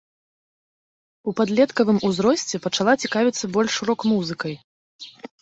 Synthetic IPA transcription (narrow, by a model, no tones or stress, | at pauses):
upad̪lʲɛt̪kɐvɨmuzɾɔsʲt͡sʲɛpɐt͡ʂalˠat͡sʲikavʲit̪sːɐbɔlʲʂɾɔkmuzɨkɐj